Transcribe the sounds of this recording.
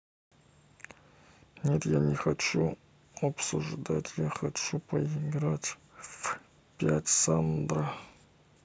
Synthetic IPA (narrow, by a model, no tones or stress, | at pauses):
net̪janʲexɐt͡ʃu | ɐpsṵʐd̪atʰjaxɐt͡ʃʰupʰɐiɡratf | pʲatʲsand̪ra